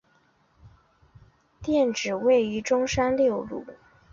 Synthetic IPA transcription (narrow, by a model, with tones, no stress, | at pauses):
t̪jɛ˥˩nʈ͡ʂɻ̩˨˩we˥˩ɪy˧˥ʈ͡ʂʊ˥ŋʂa˥nljo˥˧ʊlṵ˥˩